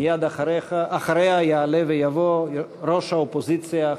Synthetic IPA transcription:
jad̪aeaχaɾehajaːlevejavo | ɾoʃhaopozit͡sija

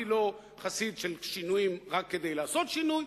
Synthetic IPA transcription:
ilo̞ | χasid̪ʃelʃinujimʁakːed̪e̞jlaːso̞t̪ʃinuj

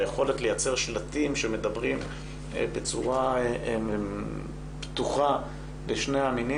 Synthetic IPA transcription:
jeχo̞letle̞jat͡seʁʃlatimʃeme̞dabʁim | bet͡suʁa | ptuχa | leʃneamini

